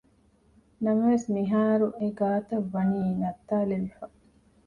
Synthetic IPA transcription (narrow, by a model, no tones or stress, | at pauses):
nɐmɐʋesniɦaːɾuʔeɡaːt̪ɐʋːɐniːnɐt̪ːaːleʋifɐ